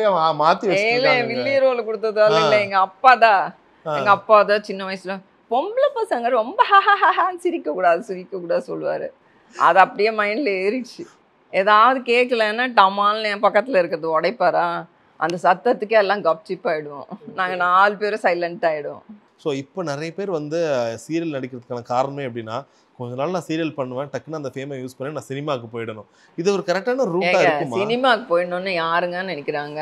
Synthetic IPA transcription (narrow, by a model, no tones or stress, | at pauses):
jaamaːt̪iʋɐlːɐ̃ʋɪlːiɾoːlkɔɽɯt̪ːɐðɯaːlɪ̃ŋlːɐɛŋɡɐɐpːaːt̪ãː | ɛŋɡɐɐpːaːt̪ãːt͡ʃɪnːɐʋɐjɐsɪlɐ̃ | pɔmblɐpɐsɐŋɡɐɾɾɔmbɐɦaɦaɦaɦasɪɾɪkːɐkuːɽaːðɯsɪɾɪkːɐkuːɽaːsɔ̰lːʋa̰ːɾɯ̰ | ʔɐ̰ðɐɐpːɐɽɪjeːmɐɪnɪlɐeɾɪt͡ʃːɯ | eːðaːʋɐðɯkeːkːɐlɛnːaːʈɐmaːlnepɐkːɐt̪ːɪlɐɪɾɯkːɯɾɐðɯɔɽɐɪpːɐːɾãː | ʔɐ̰nd̪ɐsɐt̪ːɐt̪ːɯkːɛlːãːɡɐp̚t͡ʃɪpːaːjɪɽɯʋõ̰naːŋɡɐnaːlɯpeːɾõsɐɪlɛɳʈːaːjɪɽɯõ̰ | soːɪpːoːnɪɾɐjɐpeːɾʋɐnd̪ɯsiːɾɪɐlnɐɽɪkːɪɾɐðɯkːaːnɐkaːɾɐɳɐmeːɐpːɐɽɪnːaː | kɔɲd͡ʒɐnaːlnãːsiːɾɪjɐlpɐɳːɯʋẽːʈɐkːnaːɐnd̪ɐfeːmajuːspɐnːeːnãːsɪnɪmaːkːɯpoːjɪɽɐnʊ̃ | ɪðɯɔɾɯkɐɾɛk̚ʈaːnɐɾuːŋaːɪɡɾɐkːɯmmːasɪnɪmaːkɐpoːjɽɐnʊ̃ːnːɯjaːɾɯŋɡaːnɛnɪkʲːɪɾaːŋɡɐ